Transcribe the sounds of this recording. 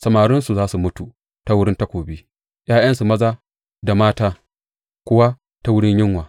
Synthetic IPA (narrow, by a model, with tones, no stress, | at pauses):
sɐ˨maː˨ɽɪ˦nsu˨zaː˦su˨mʊ˦tu˨ | ta˦wʊ˦ɽɪ˦nta˦kʷoː˨bi˦ | j̰aː˦j̰ɐ˦nsu˨mɐ˦zaː˦ | da˨maː˦taː˦ | kʷʊ˦wa˦ | ta˦wʊ˦ɽɪ˦ɲjɪ˦ŋwaː˨